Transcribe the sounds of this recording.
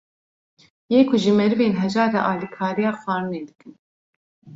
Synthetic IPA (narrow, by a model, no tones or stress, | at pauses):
jeːkʰuʒɨmɛɾɨveːnɦɛd͡ʒɑːd̪ɛʔɑːlikʰaːɾijaːxʷɑːɾɨneːd̪ɨkɨn